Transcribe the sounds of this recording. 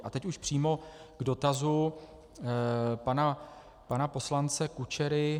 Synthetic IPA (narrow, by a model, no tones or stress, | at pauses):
ʔat̪ɛcuʃpr̝̥iːmo̞ɡ̥do̞t̪azu | pana | panapo̞slant͡sɛkut͡ʃɛɾɪ